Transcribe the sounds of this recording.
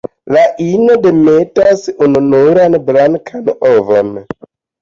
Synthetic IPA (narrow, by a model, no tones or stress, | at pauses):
laʔinode̞metasununuɾanbɾankʰanovo̰n